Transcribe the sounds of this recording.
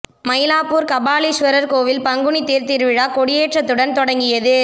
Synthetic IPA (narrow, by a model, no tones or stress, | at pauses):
mɐjlaːpːuːɾkɐbaːliʂʋɐɾɐɾkoːʋɪlpɐŋɡɯɳit̪eːɾt̪iɾʋɪɻaːkɔɽɪjeːʈrɐt̪ːɯɽɐnt̪ɔɽɐŋɡɪjɐðɯ